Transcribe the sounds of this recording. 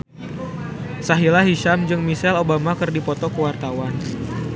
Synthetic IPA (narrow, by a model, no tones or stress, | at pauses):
saɦilaɦiʃamd͡ʒɨŋmisɛlobamakɨrdipɔt̪ɔkəwart̪awan